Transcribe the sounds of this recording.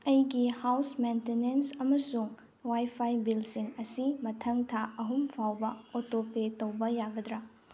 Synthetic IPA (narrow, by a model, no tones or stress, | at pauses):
ɐjɡihawsmentenensɐmɐsuŋ | wajpʰajbilsiŋɐsimɐtʰɐŋtʰaʔɐɦumpʰawbɐotopetɐwbɐjaɡɐdɾa